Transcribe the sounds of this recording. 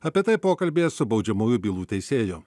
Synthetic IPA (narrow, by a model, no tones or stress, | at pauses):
ɐpʲiɛt̪ɐɪpoːkɐlʲbʲeːsʊbɒʊd͡ʒʲɛmuːjʊbʲiːlˠuːt̪ʲɛɪsʲeːjʊ